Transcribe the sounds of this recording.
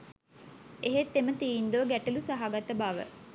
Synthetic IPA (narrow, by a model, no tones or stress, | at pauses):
eɦet̪ːemət̪iːnd̪uʋəɡæʈelusaɦaɡat̪əbaʋə̰